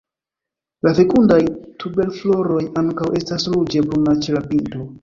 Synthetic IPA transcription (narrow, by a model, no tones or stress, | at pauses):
lafe̞kundajtube̞lflo̞ɾo̞jaŋkawʔe̞staslud͡ʒe̞bɾunat͡ʃe̞lapinto̞